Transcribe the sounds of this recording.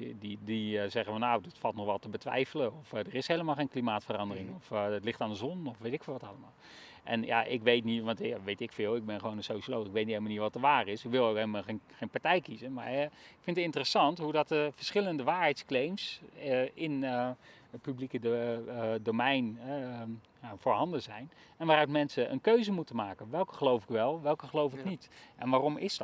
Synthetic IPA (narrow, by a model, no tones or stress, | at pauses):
didizɛɣənfɔnawdɪtfɑlˠtnɔxʋɛlˠtəbətʋɛ̰jfələɔfdərɪshejləmalˠxeːnklimaːtfərɑndərɪŋɔftlɪxtaːndəzɔnɔfʋejtɪkfːlˠʋɑtalˠəmalˠ | ʔɛ̰nja̰ʔɪ̰kʋejtniʋɑntaʋejtɪkfɪːlˠɪk̚bɪnxəʋownənsoːʃioloːxɪkʋetnithelməniəʋɔtəʋaːrɪsɪkʋɪlˠokheləmalxenpaɹtɛjkizəma̰ɪkfɪntətɪntərəsɑntɦudɔt̚əvəɹsχɪləndəʋaːɹɦɛjtsklejmsəɪn | ətpyblikə | dowmɛjnɦɛ | jafoːɹɦɑndəzɛjn | ɛnʋaːrœɥtmɛnsəʔə̰nkøɥzəmutəmaːkənʋɛlˠkə̥χəlowfɪkʋɛlˠʋɛlˠkəχəlowfɪknitʔɛ̰nʋaːrɔmɪsd